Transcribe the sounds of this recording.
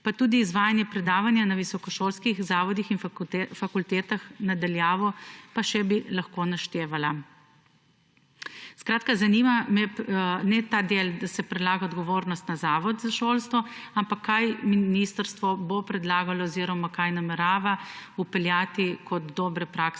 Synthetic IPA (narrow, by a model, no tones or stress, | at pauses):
pat̪ud̪iːzʋaːjanjɛpɾɛd̪aːʋanjanaʋisɔkɔʃoːlskixzaːʋɔd̪ixinfakult̪ɛːt̪axnad̪aljaːʋɔpaʃɛbilaxkonaʃt̪eːʋala | skɾaːt̪̚kazaniːmamɛnɛt̪aːd̪eld̪asɛpɾɛd̪laːɡaɔd̪ɡɔʋoːɾnɔst̪nazaːʋɔd̪zaʃoːlst̪ʋɔampakʰːajminist̪əɾst̪ʋɔbopɾɛd̪laːɡalɔɔziɾɔmakajnamɛɾaːʋaupɛljaːt̪ikʰɔt̪d̪ɔːbɾɛpɾaks